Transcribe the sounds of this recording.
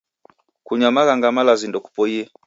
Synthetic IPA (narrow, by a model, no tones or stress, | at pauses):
kuɲamaɣaŋɡamalazindɔku̥pɔiɛ